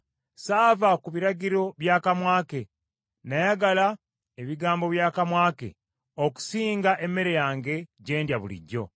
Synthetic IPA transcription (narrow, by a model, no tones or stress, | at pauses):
saːvakuβiɾaɟiɾo̞βjaːkamwaːke̞ | najaɡala | eβiɡaːmbo̞βjaːkamwaːke̞̰ | oku̥siːŋɡaʔe̞mːe̞ɾe̞jaːŋɡe̞ɟe̞ːndjaβulḭɟːo̞̰